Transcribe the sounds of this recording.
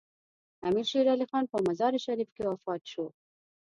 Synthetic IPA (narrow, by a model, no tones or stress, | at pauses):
amiɾʃeɾalixɑnpəmazɑɾiʃaɾifkewafɑt̪ʃo